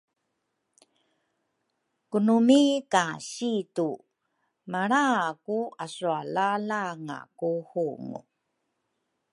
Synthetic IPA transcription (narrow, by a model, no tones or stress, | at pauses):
kunumikaɕitu | maɾakuasualalaŋa̰kuhuŋṵ